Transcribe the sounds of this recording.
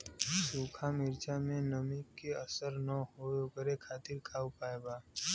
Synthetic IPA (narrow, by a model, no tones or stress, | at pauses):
suːkʰamɪɾt͡ʃamẽnəmikːeəsəɾnəɦookəɾekʰaːt̪ɪɾkʰaːwpaːeba